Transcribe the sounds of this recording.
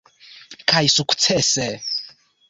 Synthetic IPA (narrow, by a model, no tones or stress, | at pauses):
kʰaisukʰu̥t͡sʰɛsɛ